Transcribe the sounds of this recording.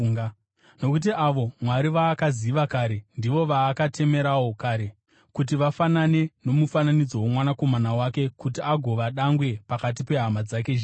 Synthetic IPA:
a | no̞kut̬iʔaʋo̞mwaɾiʋaːkaziʋakaɾe̞ndiʋo̞ʋaːkatʰe̞me̞ɾawo̞kaɾe̞ | kut̬iʋafanane̞no̞mufananid͡zo̞womwanako̞manawake̞kut̬iaɡʱo̞ʋaɗaŋɡwe̞pakat̬ipe̞ɦamad͡zakeʒ

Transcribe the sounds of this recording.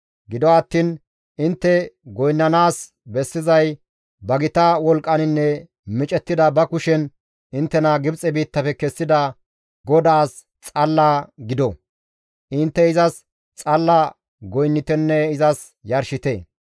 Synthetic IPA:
ɡɪd̪ɔwːt̪ːiːn | ʔɪnt̪ːɛɡɔjnːɐnaːs | bɛsːɪzɐj | bɐɡɪt̪ɐwɔlkʼːɐnɪnːɛ | mɪt͡ʃʼɛt̪ːɪd̪ɐbɐkʊʃɛn | ʔɪnt̪ːɛnɐɡɪbt͡sʼɛbiːt̪ːɐpɛkɛsːɪd̪ɐ | ɡɔd̪aːs | t͡sʼɐlːaːɡɪd̪ɔ | ʔɪnt̪ːɛɪzɐs | t͡sʼɐlːa | ɡɔjnːɪt̪ɛnːɛɪzɐs | jɐɾʃɪt̪ḛː

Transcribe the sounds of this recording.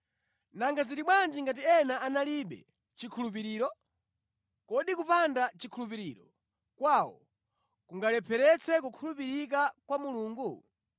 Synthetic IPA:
naŋɡazitiɓwand͡ʒiŋɡat̬iɛnaanaliɓɛ̰ | t͡ʃikʰulup̬iɾiːɾɔ | kɔɗikupandat͡ʃikʰulup̬iɾiːɾɔ | kwawɔ̰ | kuŋɡalɛpʰɛɾɛt͡sʰɛkukʰulupiɾik̬akwamuluːŋɡu

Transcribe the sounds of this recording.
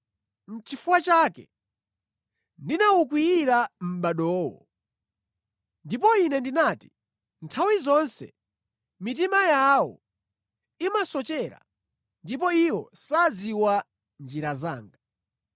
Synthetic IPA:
n̩t͡ʃifuwat͡ʃaːkɛ̰ | ndinauk̬wiiɾam̩ɓaɗɔːwɔ̰ | ndipɔinɛndinaːti̥ | ntʰawizɔnsɛ̰ | mit̬imajawɔ̰ | imasɔt͡ʃɛɾa̰ | ndip̬ɔiwɔsad͡ziwa | nd͡ʒiɾaza̰ːŋɡa

